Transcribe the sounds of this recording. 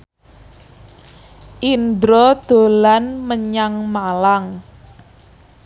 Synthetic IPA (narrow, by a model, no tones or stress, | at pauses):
ʔind̪ɾɔd̪̥o̤lanməɲaŋmalaŋ